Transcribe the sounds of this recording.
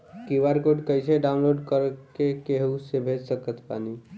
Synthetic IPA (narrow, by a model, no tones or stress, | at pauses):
kiʋaɾkoɖkəjseɖaũnloɖkəɾkekeɦusebʱed͡ʒsəkət̪pa̰ni